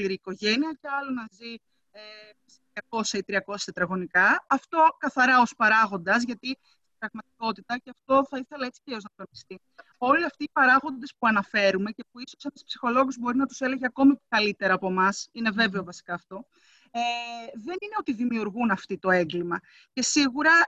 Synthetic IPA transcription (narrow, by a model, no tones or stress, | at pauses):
liɾiːko̞ʝe̞niɐce̞ɐlonɐzi | e | stɐko̞sɐit̪ɾiɐko̞ssɐt̪ɾɐɣo̞nikɐɐft̪o̞kɐθɐɾɐospɐɾɐɣo̞nd̪ɐzʝɐt̪i | st̪ibɾɐɣmɐt̪i̥ko̞t̪it̪ɐceɐft̪o̞θɐiθe̞lɐe̞t͡si̥ceioznɐkɐnist̪i | o̞liɐft̪iːpɐɾɐɣo̞nd̪e̞spuɐnɐfe̞ɾume̞cepuiso̞sɐnspsi̥xo̞lo̞ɣuzbo̞ɾinɐt̪u̥se̞le̞ʝeɐko̞mikɐlit̪e̞ɾɐːpomɐsine̞ve̞veo̞vɐsi̥kɐːft̪o̞ | eðe̞nine̞o̞t̪iðimiuɾɣunɐft̪it̪o̞e̞ŋɡlimɐ | ce̞siɣuɾɐ